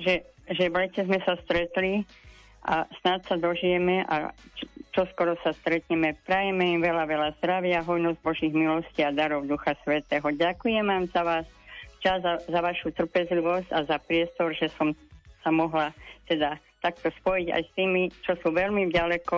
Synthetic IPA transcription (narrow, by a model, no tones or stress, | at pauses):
ʒɛ | ʒɛʋlɛcɛzmɛsast̪ɾɛt̪li | ʔa̰snat̪sad̪ɔʒijɛmɛʔa̰t͡ʃɔskɔɾɔsast̪ɾɛt̪ɲɛmɛpɾajɛmɛimʋɛlaʋɛlazd̪ɾaʋɪaɦɔjnɔzɟ̚bɔʒiɣmilɔsciad̪aɾɔʊd̪uxasʋɛt̪ɛːɦɔɟakujɛmaːmzaʋaːst͡ʃazazaʋaʃut̪r̩pɛzliʋɔscazapɾɪɛst̪ɔɾʒɛsɔmsamɔɦlat̪ɛd̪at̪ak̚t̪ɔspɔjiɟa̰jst̪iːmit͡ʃɔsuʋɛlmiɟalɛkɔ